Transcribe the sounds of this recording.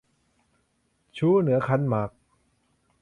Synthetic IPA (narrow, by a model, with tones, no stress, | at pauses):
t͡ɕʰuː˦˥˨nɯ˩˦ɐkʰa˦˥nma˦˩k̚